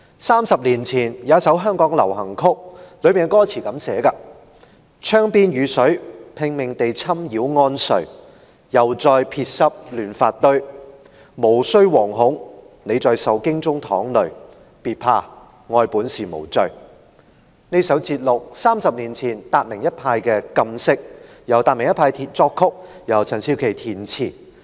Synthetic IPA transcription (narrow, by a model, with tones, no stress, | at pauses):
saː˥msɐ˨p̚liː˨˩nt͡sʰiː˨˩njaː˨˥sɐ˨˥wɦœː˥ŋkɔː˨˥ŋlɐ˨˩wɦɐ˨˩ŋkʰʊ˥k̚lɵ˨˧ɥmiː˨nkɔː˥t͡sʰiː˨˩kɐ˨˧˥msɛː˨˥kaː˧ | t͡ʃʰœː˥ŋpiː˥njyː˨˧sɵ˨˥ɥpʰɪ˧ŋmɪ˨ŋt̪e˨jt͡sʰɐ˥mjiː˨˥wŋɔː˧˥nsɵ˨˩ɥ | jɐ˨˩wt͡sɔː˨˧jpʰiː˧t̚sɐ˧˥p̚lyː˨˩nfaː˧t̚t̪ɵ˧ɥ | mo˨˩wsɵ˥ɥwɔː˨˩ŋɦʊ˨˥ŋ | ne˨˧t͡sɔː˨jsɐ˨˥wkɪ˥ŋt͡sʊ˥ŋt̪ʰɔː˨˥ŋlɵ˨˩ɥ | piː˨t̚pʰaː˧ | ŋɔː˧jpuː˨˥nsiː˨˩mo̰˨˩wt͡sɵ˧ɥ | ne˥jsɐ˨˥wt͡siː˧t̚lʊ˨k̚saː˥msɐ˨p̚niː˨˩nt͡sʰiː˨˩nt̪aː˧t̚mɪ˨˩ŋjɐ˥t̚pʰaː˧jkɛ˧kɐ˧msɪ˥k̚ | jɐ˨˩wt̪aː˨t̚mɪ˨˩ŋjɐ˥tpʰaː˧jt̪ʰiː˨˧t̚t͡sɔː˧kʰːʊ˥k̚jɐ˨˩wt͡sʰɐ˨˩nsiː˧˥wkʰe˨˩jt̪ʰiː˨˩nt͡sʰiː˨˩